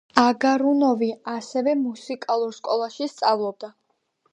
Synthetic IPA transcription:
aɡaɾunɔviasɛvɛmusikʼalˠuɾskʼɔlˠaʃist̪sʼavlˠɔb̚d̪a

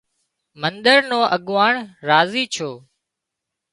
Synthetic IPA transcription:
mənɗ̪əɾnõːʔəɠʋaːɳɾaːziːt͡ʃʰoː

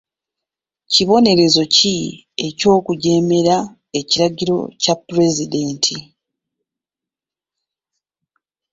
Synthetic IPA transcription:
ciβo̞ne̞ɾe̞zo̞ci | e̞co̞ːkuɟe̞ːme̞ɾa | e̞ciɾaɟiɾo̞̰capːuɾe̞zide̞ːntʰi

